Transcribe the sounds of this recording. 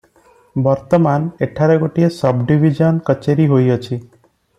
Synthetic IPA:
bɔɾt̪ɔmaneʈʰaɾekoʈiesəbɖiʋid͡ʒənkət͡ʃeɾiɦojət͡ʃʰi

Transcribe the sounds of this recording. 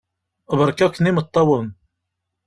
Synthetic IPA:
βəɾˤkæknimət̪ˤːɑwən

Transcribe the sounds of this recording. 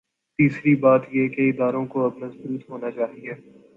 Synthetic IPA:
t̪iːsɾibaːt̪jekeɪd̪aːɾõkoɐbnɐzbɾuːt̪ɦoːnat͡ʃaːɦiɛː

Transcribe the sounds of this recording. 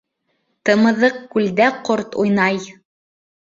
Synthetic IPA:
t̪ɤ̆mɤ̆ðɤqkʉld̪æqoɾt̪ujnɑj

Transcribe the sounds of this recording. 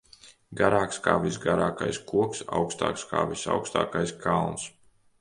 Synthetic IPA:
ɡaɾaːkska̰ːvisɡaɾaːka̰jskuɔksa̰wkst̪a̰ːkskʰa̰ːvisa̰wkst̪a̰ːkajskʰalˠns

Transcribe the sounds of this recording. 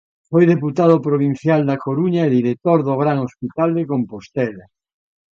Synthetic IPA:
fojðeput̪aðopɾoβ̞in̟θjald̪akoɾuɲaeðiɾek̚t̪oɾðoɣɾaŋospit̪ald̪ekompost̪ɛla

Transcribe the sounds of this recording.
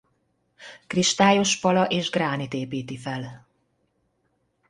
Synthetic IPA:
kriʃt̪aːjo̞ʃpɒlɒʔeːʒɡraːnit̪eːpiːt̪ifɛl

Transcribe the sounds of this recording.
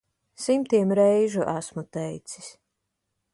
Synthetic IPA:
simt̪iɛmɾɛjʒuʔasmut̪ɛjt̪si̥sʲ

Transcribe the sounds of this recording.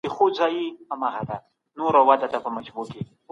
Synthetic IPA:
exozɑjiamaɣad̪a | noɾawad̪at̪apəmat͡ʃboke

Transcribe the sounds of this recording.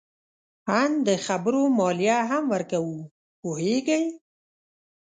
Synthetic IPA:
hand̪əxabɾomɔlijaɦamwəɾkawu | poɦeɡəj

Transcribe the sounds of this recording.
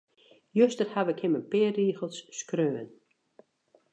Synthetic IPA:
jøstərhaʋɪkhɪmənpɪːriːxəlˠsːkrøːən

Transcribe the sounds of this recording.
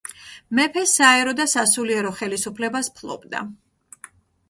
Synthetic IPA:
mɛpʰɛsaɛɾɔd̪asasuliɛɾɔχɛlisupʰlɛbaspʰlˠɔ̰bd̪a̰

